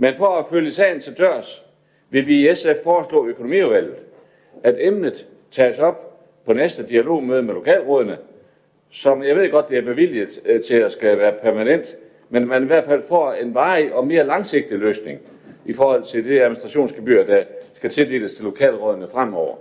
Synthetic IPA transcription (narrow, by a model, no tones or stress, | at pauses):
menfɒæføljəsɛ̰ɪn̩sʰɒd̥ɶɐ̰s | ʋe̝ʋiesefːɒːslɔ̰̽ːøkʰo̝no̝mḭːuʋæl̰ð̩ˠ | æd̥emnð̩ˠ | t͡sʰɛ̰ːsɒ̽b̥̚ | pʰɒ̽nesd̥əd̥iælo̝̰ːmøːð̞ˠəmelo̝kʰɛ̰ːlʁɔ̽ːðˠɐnə | sɒ̽mjɑ̈ɪe̝ðˠɡ̥ɒ̽d̥̚ːe̝æɐb̥e̝ʋil̰it͡sʰe̝æsɡ̥æʋæːɐpʰæɐmænen̰d̥ | menmæniʋæɐ̰d̥fæl̰fɒ̰ːe̝nʋɑ̈ːiʔɒ̽me̝ːɐlɑ̈ŋse̝ɡ̥̚d̥iløːsne̝ŋ | ifɒːhɒ̽l̰t͡sʰe̝ld̥eæð̩ˠminisd̥ʁɑ̈ɕo̝̰ːnsɡ̥eb̥y̰ːɐd̥æsɡ̥æt͡sʰe̝ld̥e̝̰ːləst͡sʰe̝lːo̝kʰɛ̰ːlʁɔ̽ðˠɐnəfʁam̰ɒʊ̰ɐ